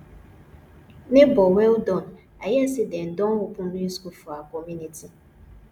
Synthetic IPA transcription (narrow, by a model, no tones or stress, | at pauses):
nɪbɔŋʷelʊdɔn̩ | ajesɪden̩dɔŋʊpʊniiskufuakɔminiti